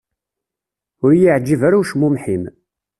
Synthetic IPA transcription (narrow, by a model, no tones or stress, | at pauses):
ʊɾjiʕd͡ʒːivaɾuwʃmumħim